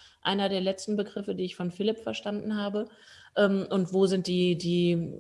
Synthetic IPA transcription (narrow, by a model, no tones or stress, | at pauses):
ʔa̰ɪnɐdeːɐlɛt͡stn̩bəɡʁɪfədiːɪçfɔnfɪlɪpfɛɐʃtandn̩haːbə | ʔɛːmʔʊntv̥oːzɪnt̚d̥iːdiː